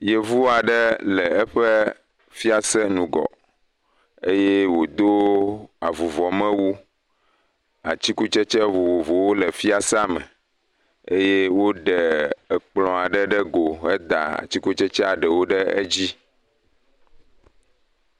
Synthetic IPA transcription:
jɛ˦vu˦a˨ɖɛ˦lɛ˨ɛ˦ɸɛ˦ | fi˦a˦sɛ˦nũ˨ɡɔ̰˨ | e˦je˦wo˨d̪o˦a˨vu˨vɔ˨mɛ̃˦wu˦ | a̰˨t͡ɕi˦ku˦t͡ʃɛ˦t͡ʃɛ˦vo˨vo˨vo˨wo˦lɛ˨fi˦a˦sa˦mɛ̰˨ | e˦je˦wo˦ɖɛ˨ɛ˨k͡plɔ̃˨a˨ɖɛ˦ɖɛ˦ɡo˨ɛ˦d̪a̰˨a̰˨t͡ɕi˦ku˦t͡ʃɛ˦t͡ʃɛ˦a˨ɖɛ˨wo˦ɖɛ˦e˦d͡ʑi˦

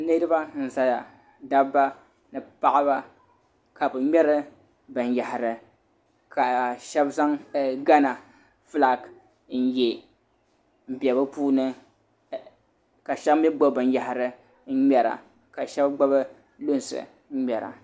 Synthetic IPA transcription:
nɨ˦ɾɨ˦ba˦n̩˨za˨la˨ | da˦bba˦ | nɨ˨pa˦ʔa˦ba˦ | ka˨bɨ˨ɲɛ˦ɾɨ˦ | bɨ˨n˨ja˨hɪ˨ɾɨ˨ | ka˨ʃɛ˦bza˦ŋɡa˦na˨ | fɨ˦la˨k | n̩˦je˨ | m̩˨bi˨ɛ˨bɨ˦puː˦nɨ˦ | ka˨ʃɛ˦bmi˦ɡ͡ba˦bɨ˨n˦ja˨hɪ˨ɾɨ˦ | ɲɛ˨ɾa̰˨ | ka˨ʃɛ˦bɡ͡ba˦bɨ˦ | lo˦n˨sɨ̰˨˦ | ɲɛ˨ɾa̰˨

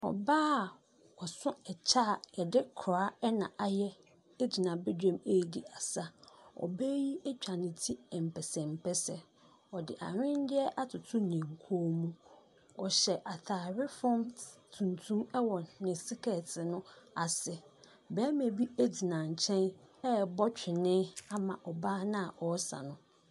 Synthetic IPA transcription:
ɔ̰˨baː˦˨ | ɔ˨sʊ̃˦ɛ˨t͡ɕʰa˦˨ɛ˨dɪ˦kʰɾa˦ɛ˦nã̰˨ʔa˨jɛ˦ | e˦d͡ʑi˨nã˨bɛ˦dᶣã˨me˦˨di˨a˨sa˦ɔ̰˨bɛ˦ji˦ɛ˦t͡ɕᶣa˨nɪ̃˨tʰi˦ɛ˨m̩˨pʰɛ˨sɛ̃˨m̩˨pʰɛ˦sɛ˨ | ɔ˨dɪ̰˨ʔa̰˨ɲᶣɪ̃˦n˦dɪ˦ɛ˦ʔa˦tʰʊ˨tʰʊ̃˦nɪ̃˨ŋ̩˨kʰo˦mũ˦ | ɔ˨ɕɛ˨ʔa˨tʰaː˨ɾɪ˦fɔ̃˦mtʰũ˨ntʰũ˦mɛ˦wɔ˨nɪ̃˨sɪ˦kʰɛ˨tɪ˨nʊ̃˦a˨sɪ˨ | bɛ˦me˨bi˦e˦d͡ʑi˨nã˨ɲ̩˨t͡ɕʰɛ̃˦nɛ˦bɔ˦t͡ɕᶣɪ˨nɪ̃˦a˦mã̰˨ʔɔ˨baː˦nã˦a˨ʔɔ˨˦sa̰˨nʊ̃˦

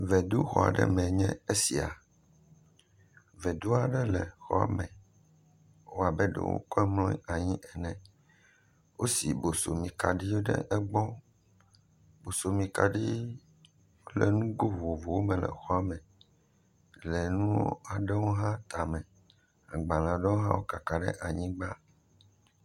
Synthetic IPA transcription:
vɛ˨d̪u˦xɔ̰˨a̰˨ɖɛ̰˦mɛ̃˨ɲɛ̃˦e˦si˨a̰˨ | vɛ˨d̪u˦a˨ɖɛ˦lɛ˨xɔ̰˦a̰˨mɛ̃˨ | wo˦a˨bɛ˦ɖɛ̰˨wo̰˦kɔ˦ɛ˦mlɔ̃˦a˨ɲĩ˦ʔɛ˨nɛ̃˨ | wʔo˦si˨bo˨so˨mĩ˨ka˨ɖi˦o˦ɖɛ̰˦ʔɛ˦ɡ͡bɔ˦ | bo˨so˨mĩ˨ka˨ɖi˦ | o˦lɛ˨nũ˦ɡo˦vo˨vo˨wo˦mɛ̃˨lɛ̰˨xɔ˦a˨mɛ̃˨ | lɛ˨nũ˦o̰˦a˨ɖɛ˦wo˦ɦã˦t̪a˨mɛ̃˨ | a˨ɡ͡bã˨lã˨ɖɛ˦wo˦ɦã̰˦wo˦ka˨ka˨ɖɛ̰˦ʔa˨ɲĩ˦ɡ͡ba˦

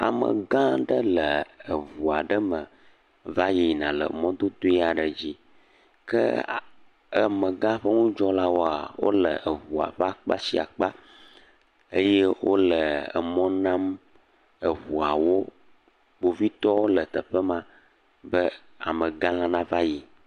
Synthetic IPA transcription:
a̰˨mə̰̃˨ɡã˦ɖə˦lə˨ə˨vu˨a˨ɖə˦mə̃˨ | va˦ji˨nã˨lə̰˨mɔ̃˦d̪o˦d̪o˦i˦a˨ɖə˨d͡ʑi˦ | kə̰˦ | ə˨mə̃˨ɡã˦ɸə˦ŋũ˦d͡ʒɔ˦la˦wo˦a̰˨wo̰˦lə̰˨ʔə˨βu˨a̰˨ɸa˦k͡pa̰˦si˦a̰˨k͡pa˦ | ə˦je˦wo˦lə˨ə̰˨mɔ̃˦nã˦m | ə˨βu˨a˨wo˦ | bo˨vi˦t̪ɔ˦wo˦lə˨t̪ə˨ɸə˦mã˨ | bə˦ | a̰˨mə̃˨ɡã˦lã˦nã˦va˦ji˨

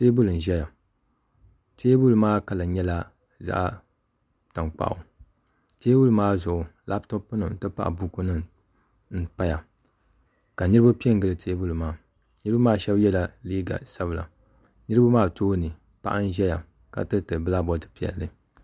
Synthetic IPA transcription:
teː˦bʊ˦lɨ˨n̩˨ʒɛ˦ja˨ | teː˦bu˦lmaː˦ka˨la˨ɲɛ˦la˦ | za̰˦ʔ | ta˨ŋk͡pa̰˨ʔʊ̰˨ | teː˦bu˦lɨ˨˦maː˦zʊ˨ʔʊ˨la˦btɨ˦pɨ˦nɨ˨n̩˦tɨ˦pa̰˦ʔa̰˨bu˦ku˦nɨ˦ | n̩˦pa˦ja˨ | ka˨nɨ˦ɾɨ˦ba˦pi˦ɛ˦ŋ˨ɡɨ˦lɨ˨tʰeː˦bu˦lmaː˦ | nɨ˦ɾɨ˦bu˦maː˦˨ʃɛ˦bjɛ˦la˨liː˦ɡa̰˨sa˦βɨ˨la̰˨ | nɨ˦ɾɨ˦ba˦maː˦toː˦nɨ˨ | pa̰˦ʔa˦n̩˦ʒɛ˦ja˨ | ka̰˨tɨ˦tɨ˨bɨ˦la˦bɔ˦tɨ̥˦pi˨ɛ̰˨lːɨ˦

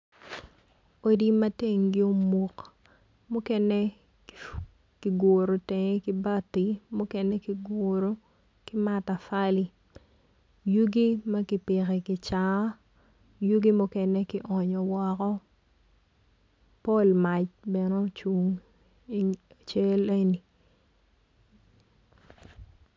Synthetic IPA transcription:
o˨di˦mɐ˦te˦˨ŋɡɪ˦o˦mu˨k | mʊ˦kɛ˦nɛ˦ | ki˨ɡo˨ɾo˨tɛ˨ŋɛ˦kɪ˦ba˦ti˨mʊ˦kɛnɛ˦kiɪ˨ɡo˨ɾo˦ | kɪ˦ma˦ta˨fa˦li˦ | ju˦ɡi˦mɐ˦kɪ˨pɪ˨kɛ˨kɪ˨t͡ʃa˨˦ | ju˦ɡi˦mʊ˦kɛ˦nɛ˦kɪ˦ʔɔ˨ɲɔ˨wɔ˦kɔ˦ | pɔ˦˨lma˨t͡ʃbɛ˨no˦t͡ʃu˦ŋ˦ | a˨t͡ʃe˦le˦ni˨

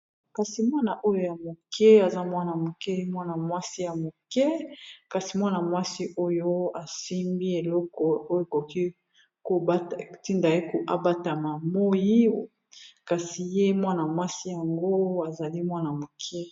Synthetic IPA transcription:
ka˨si˨mwa˦na˨ʔo˦jo˦˨ja˨mo˨kʰɛ˦a˨za˦mwa˦na˨mo˨kɛ˦mwa˦na˨mwa˦si˦ja˨mo˨kɛ˦ka˨si˨mwa˦na˨mwa˦si˦ʔo˦jo˦a˨si˦mbi˦e˨lɔ˦kɔ˨o˦jo˦˨ko˨ki˦ | ko˨ba˦˨ti˦nda˨i˦ko˨ʔa˦ba˦ta˨ma˨mo˦ji˦˨ | ka˨si˨je˦mwa˦na˨mwa˦si˦ja˨ŋɡo˦a˨za˨li˦mwa˦na˨mo˨kʰɛ˦

